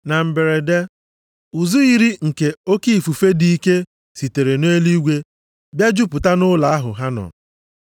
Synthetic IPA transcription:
na˨m̩˨be˨ɾe˨de˦ | u˨zu˦i˨ɾi˦ŋ̩˨ke˨o˦ki˦˨fu˨fe˦di˨i˦ke˦ | si˨te˨ɾe˨neː˦li˦ɡʷe˦ | bja˦d͡ʒu˦pʊ˨ta˦nʊ˦la˨a˦ɦʊ̰˨ɦa˦nɔ̰˨

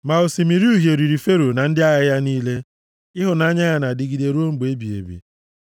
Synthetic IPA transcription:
ma˨o˨si˨mi˨ɾi˦u˦ɦje˨ɾi˨ɾi˨fe˦ɾo˨na˨n̩˦dɪ˦a˦jɪ˦ja˦niː˦le˦ | ɪ˦ɦʊ˨na˦ɲa˦ɣa˨na˨dɪ˨ɡi˨de˨ɾu˦o˦ŋ͡m̩˦ɡ͡be˦bi˨ḛ˨bḭ˨

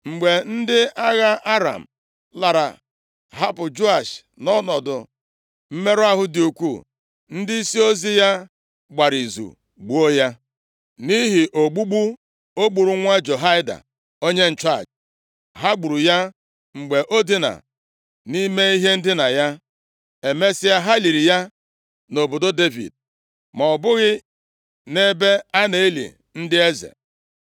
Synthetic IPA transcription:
ŋ͡m̩˨ɡ͡be˨n̩˦dɪ˦a˦ɣa˦a˦ɾa̰˨m̩˨ | la˨ɾa̰˨ | ɦa˦pʊ˨d͡ʒo˦a˨ʃnɔ˦nɔ˨dʊ˨ | m̩˦me˦ɾʊ˦a˦ɦʊ˦dɪ˨u˨kʷu˦˨ | n̩˦dɪ˦i˦si˦o˦zi˦ja˦ | ɡ͡ba˨ɾi˨zṵ˨ | ɡ͡bu˨o˦ja˦ | ni˦ɦi˨ʔo˨ɡ͡bu˦ɡ͡bu˦ | o˦ɡ͡bu˨ɾu˨ŋʷa˦d͡ʒo˨ɦa˦ɪ˦da̰˨ | o˦ɲe˦n̩˨t͡ʃa˦˨d͡ʒ | ɦa˦ɡ͡bu˨ɾu˨ja˦ | ŋ͡m̩˨ɡ͡be˨ʔo˦di˦na̰˨ | ni˦me˦i˦ɦe˦n̩˦dɪ˦na˨ja˦ | e˨me˦si˦a˦ɦa˦li˨ɾi˨ja˦ | no˨bo˨do˦de˦vḭ˨d̚ | ma˨ɔ˨bʊ˦ɣɪ˦ | ne˦be˦a˦ne˨i˦lḭ˨ | n̩˦dɪ˦e˦zḛ˨

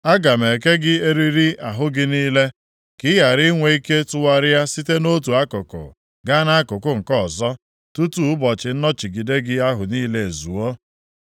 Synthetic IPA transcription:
a˦ɡa˨me˨ke˦ɡɪ˦e˦ɾi˦ɾi˦a˨ɦʊ˦ɡɪ˦niː˦le˦ | kɪ˦ja˨ɾɪ˦ŋʷe˨i˦ke˦tʊ˦wa˦ɾa˦si˦te˦no˦t̬u˨a˦kʊ˨kʊ̰˨ | ɡa˦na˦a˦kʊ˨kʊ˦ŋ̩˨kɔ˦˨zɔ˦ | tu˦tu˦˨ʊ˦bɔ˨t͡ʃɪ˨n̩˦nɔ˦t͡ʃi˨ɡi˨de˦ɡɪ˦a˦ɦʊ˨niː˦le˦e˨zu˨o˦

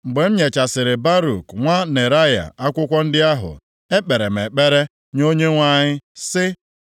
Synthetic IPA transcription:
ŋ͡m̩˨ɡ͡be˨m̩˦ɲe˨t͡ʃa˨sɪ˨ɾɪ˨ba˦ɾu˨kŋʷa˦ne˨ɾa˦ja̰˨a˦kʷʊ˦kʷɔ˦n̩˦dɪ˦a˦ɦʊ̰˨ | e˦k͡pe˨ɾe˨m̩e˨k͡pe˦ɾe˦ | ɲo˦ɲe˦ŋʷa˦˨ɲɪ˦sɪ˦

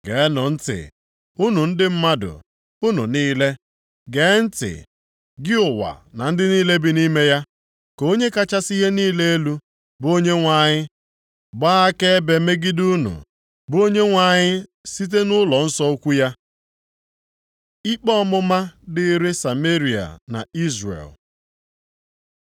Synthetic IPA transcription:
ɡeː˨˦nʊ˨n̩˦tɪ̰˨ | u˦nu˨n̩˦dɪ˦m̩˦ma˦dʊ̰˨ | u˦nṵ˨niː˦le˦ | ɡe˨˦n̩˦tɪ̰˨ | ɡɪ˦ʊ˨wa̰˨na˨n̩˦dɪ˦niː˦le˦bi˨ni˦me˦ja˦ | ko˦ɲe˦ka˦t͡ʃa˦si˦ɦe˦niː˦le˦e˦lu˦ | bo˦ɲe˦ŋʷa˨ɲɪ˦ | ba˦a˦ke˦be˨me˦ɡɪ˦du˦nṵ˨ | bʊ˦o˦ɲe˦ŋʷa˨ɲɪ˦ | si˦t̬e˦nʊ˦lɔ˨n̩˦sɔ˦o˦kʷu˦ja˦ | i˦k͡pɔ˦mʊ˦ma˦dɪ˦ɾe˦sa˨me˦ɾi˨a̰˨na̰˨i˦zrḛ˨l

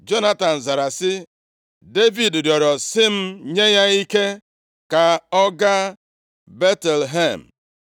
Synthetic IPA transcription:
d͡ʒo˦na˦ta˨n̩˨za˨ɾa˨sɪ˦ | de˦vi˨ddjɔ˨ɾɔ˨sɪ˦m̩˦ɲe˦ɲa˦i˦ke˦ | ka˨ɔ˦ɡa˦ | be˦te˨lɦe˦˨m̩˨

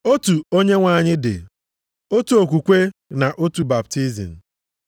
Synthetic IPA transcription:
o˦tu˨o˦ɲe˦ŋʷa˨ɲɪ˦dɪ̰˨ | o˦tu˨o˨k̬ʷu˨kʷe˦na˨ʔo˦tu˨ba˨p̚ti˦zḭ˨n̩˨

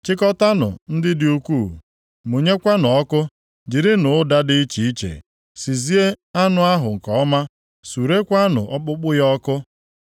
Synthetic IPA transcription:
t͡ʃɪ˦kɔ˦ta˦nʊ̰˨n̩˦dɪ˦dɪ˦u˦kʷuː˦˨ | mu˨ɲe˦kʷa˦nɔ˨ɔ˦kʊ˦ | d͡ʒi˨ɾɪ˦nʊ˨˦da˦dɪ˦i˦t͡ʃi˨i˦t͡ʃḛ˨ | si˨zi˦e˦a˦nʊ˨a˦ɦʊ˨ŋ̩˨kɔ˨˦ma˦ | su˨ɾe˦kʷa˦nʊ̰˨ʔɔ˦k͡pʊ˦k͡pʊ˦jɔ˦kʊ˦

